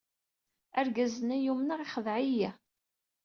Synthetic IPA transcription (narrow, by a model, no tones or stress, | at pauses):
æɾɡæzənæjumnaʁiχəðʕijæ